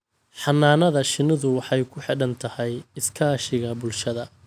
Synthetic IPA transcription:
ħɑnːaːnɐðɐʃɪnːɪðʊwɑħɑjkʰʊħɪɽɐnt̪ʰɐhɛjɪskʰaːʃɪɣɐbʊlʃɐðɐ

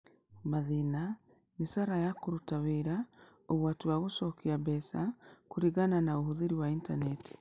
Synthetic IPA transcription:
maðina | misaɾajakoɾutaweɾa | oɣwatuwaɣosɔkiabɛsakoɾiɣananaoɦoðeɾiwaintanɛti̥

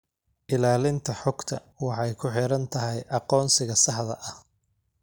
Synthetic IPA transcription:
ʔɪlaːlɪnt̪ʰɐħɔɡt̪ʰɐ | wɑħɑjkʰʊħɪɾɐnt̪ʰɐɦɛjʔɑqɔːnsɪɣɐsɑħðɐ̰ʔɐh

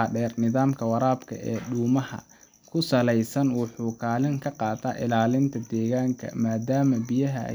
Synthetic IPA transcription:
aɖɛːrnɪðaːmkʰɐwɑɾaːbkʰɐ̰ɛːɗuːmɐhɐ̰ | kʰʊsɐlɛjsɐnwɑħuːkʰaːlɪŋkʰɐqɑːt̪ʰaːʔɪlaːlɪnt̪ʰɐd̪ɛːɣaːŋkʰɐ̰maːd̪aːmɐbɪjɐɦɐ̰

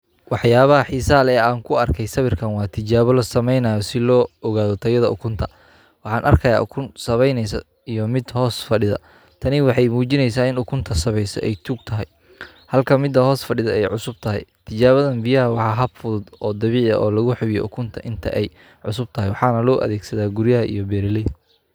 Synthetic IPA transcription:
wɑħjaːβɐɦɐħisaːlɛːaːŋkʰʊɐrkʰɛjsɐβɪrkʰɐnwɑːt̪ʰɪt͡ʃaːβɔlɔsɐmɛjnɐːjɔsɪlɔːɔɣaːðɔt̪ʰɐjɐðɐʔʊkʰʊnt̪ʰɐ | wɑħɑːnʔɐ̰rkʰɐja̰ːʔʊkʰʊnsɐβɛjnɛjsɐ̰ | ijɔmɪd̪hɔːsfɐɖɪðɐ̰ | t̪ʰɐnɪwɑħɑjmuːt͡ʃɪnɛjs̬aːɪnʊkʰʊnt̪ʰɐsɐβɛjsɔ̰ʔɛjt̪ʰuːɡ̚t̪ʰɐɦɛj | hɐlkʰɐmɪd̪ɐɦɔːsfɐɖɪðɐɛjʕʊsʊb̚t̪ʰɐɦɛ̰jt̪ʰɪt͡ʃaːβɐðɐnbɪjɐɦɐwɑħɑːɦɐbfʊðʊd̪ɔːd̪ɐβiːʕɐ̰ʔɔːlɐɣʊħʊβɪj̰ʔʊkʰʊnt̪ʰɐʔɪnt̪ʰɐ̰ʔɛj | ʕʊ̰sʊb̚t̪ʰɐɦɛjwɑħɑːnɐlɔːʔɐ̰ðɛːɡsɐðaːɡʊɾjɐɦɐʔḭjɔbɛːɾɪlɛ

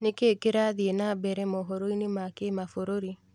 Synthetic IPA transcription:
nekeːkeɾaðienabɛɾɛmoɦoɾoinemakemafoɾoɾi

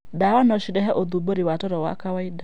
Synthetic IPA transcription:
daːwanɔʃidɛɦɛʔɔd̪ubɔɾiwaːtɔɾɔwa̰ːkawaida

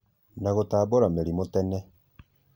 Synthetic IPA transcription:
naɣotaːboɾameɾimotɛnɛ

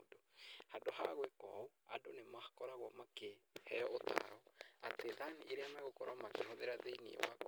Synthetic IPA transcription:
dohadoha̰ɣwekɔ̰oa̰donemakɔɾaɣwɔmakehɛ̰jɔota̰ɾɔateðaniʔiɾeamaɣokɔɾwamakehoðeɾaðeinḭḛwa̰k

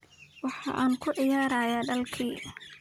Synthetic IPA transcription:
wɑħɑ̰ːʔaːŋkʰʊʕɪjaːɾaːjaːɖɐlkʰiː

